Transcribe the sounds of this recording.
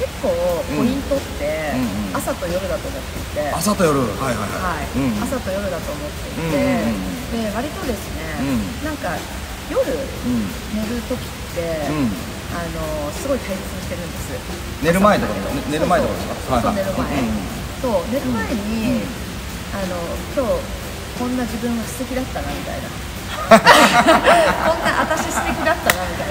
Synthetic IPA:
ke̞kːo̞ːkoɲĩnt̪o̞t̪ːẽ̞asat̪o̞jo̞ɾɯ̟d̪at̪o̞ːmo̞t̪ːe̞it̪e̞asat̪ojoɾɯhajɦa̰ja̰haiasat̪o̞jo̞ɾɯ̟d̪at̪o̞ːmo̞t̪ːe̞it̪e̞ | eβaɾʲit̪o̞d̪e̞sɨnẽ̞nãŋka | jo̞ɾɯ̟ | joɾɯ̟t̪o̞kʲi̥t̪ːẽ̞ | ano̞sɨɡo̞it̪aiset͡sɨɕi̥t̪e̞ɾɯ̟̃nd̪e̞sɨ | neɾɯmaed̪akoɾoneɾɯmaekoaone̞ɾɯ̟mae | so̞ːne̞ɾɯ̟maaeɲ̟i | ano̞kʲo̞ː | kõ̞nːaʑibɯ̃ɰ̃ɡasi̥se̞kʲid̪at̪ːanamʲit̪a̰ḭna̰ | kõ̞nːaʔat̪aɕist̪ekʲid̪at̪ːanamʲit̪ai

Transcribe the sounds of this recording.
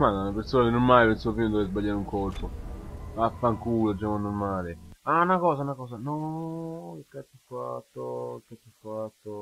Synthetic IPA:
malaunapeɾsoːnad̪inːoɾmaːlepensuofiːnod̪ɔvezbaʎːaɾuŋkorpoafːaŋkulod͡ʒaːmanːormaːleaunakɔːs̬aunakɔːsanɔ | kilkat̪ːufːa̰t̪ːokat̪ːufːat̪ːo

